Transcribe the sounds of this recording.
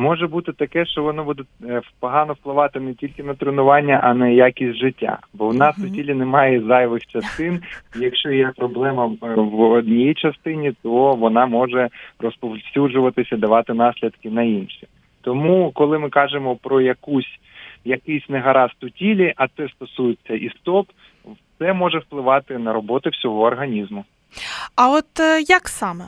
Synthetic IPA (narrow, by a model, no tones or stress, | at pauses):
mɔʒɛbut̪ɪt̪ɐkɛʃt͡ʃɔʋɔnɔbud̪ɛwpɔɦɑnɔwplˠɪʋɑt̪ɪnɛtʲilʲkɪnɐt̪ɾɪnʊʋɑnʲːɐʔɐnɛjakʲisʲtʲʒɪtʲːa̰bɔwnɑst̪ʊtʲilʲinɛmɑjɛzɑjʋɪxt͡ʃɐst̪ɪnijɐkʃt͡ʃɔjɛpɾɔblˠɛmɐwɔd̪ʲnʲijit͡ʃɐst̪ɪnʲit̪ɔʋɔnɑmɔʒɛrɔspɔwsʲud͡ʒʊʋɐt̪ɪsʲɐid̪ɐʋɑt̪ɪnɑsʲlʲid̪kɪnɐinʃi | t̪ɔmukɔlˠɪmɪkɑʒɪmɔpɾɔjɐkusʲ | jɐkɪjsʲneɦɐɾɑst̪ʊtʲilʲiʔɐt̪sɛst̪ɔsujɪt͡sʲːɐʔist̪ɔp | t̪sɛmɔʒɛwplˠɪʋɑt̪ɪnɐɾɔbɔt̪ɪwsʲɔɦɔːrɦɐnʲizmʊ | ɐɔt̪jɐksɑmɛ